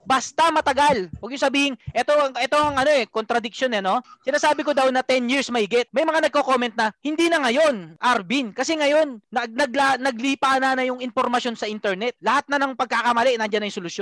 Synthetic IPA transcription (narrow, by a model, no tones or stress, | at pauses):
bɐst̪ɐmɐt̪ɐɡalwɐɡjʊŋsɐbiːhɪŋʔɛt̪o̞ɐŋʔɛt̪o̞ɐŋɐno̞ʔɛkont̪ɾɐd̪ɪk̚ʃonɛno̞sɪnaːsaːbɪkod̪ɐwnɐt̪ɛnjiɹsmɐʔiːɡɛt̪̚mɐjmɐŋanɐɡ̚koko̞mɛnt̪̚nɐhɪnd̪iːnɐŋɐjo̞nʔɐɾbinkɐsɛŋɐjo̞nːɐnɐɡ̚lanɐɡ̚liːpanɐnɐjʊŋɪnpoɾmɐsjo̞nsɐʔint̪ɛɹnɛt̪̚lɐhat̪̚nɐnɐŋpɐɡ̚kakɐmɐlɛʔnɐnd͡ʒanːɐjŋsolʊsjon